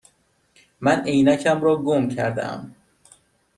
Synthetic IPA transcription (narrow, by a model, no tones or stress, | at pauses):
mænʔe̞jnæcʰæmɾɒːɡomcʰæɾd̪æ̰ʔæ̰m